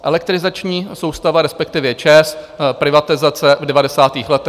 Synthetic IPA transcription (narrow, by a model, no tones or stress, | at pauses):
ʔɛlɛk̚t̪ɾɪzat͡ʃɲiːso̞wst̪avaɾɛspɛk̚t̪ɪvjɛt͡ʃɛspɾɪvat̪ɪzat͡sɛvdɛvadɛsaːt̪iːxlɛt̪ɛ